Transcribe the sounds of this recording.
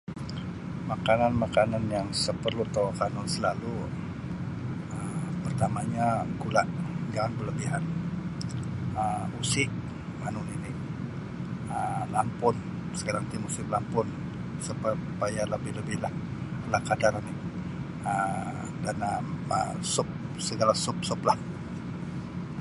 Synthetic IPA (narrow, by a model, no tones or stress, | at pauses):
makananmakananjaŋsəpərlut̪awakanʊnsəlalu | əmpərt̪amaɲaɡulaʔd͡ʒaŋanbələbiɦan | əmusɪʔ | manʊnini | əlampʊn | sə̥kaɾaŋt̪ɪmusɪmlampʊn | supəpajaləbɪhləbɪlahlahkadaɾanɪ | ə | danaə̰sʊp̚səɡalasʊp̚sʊplah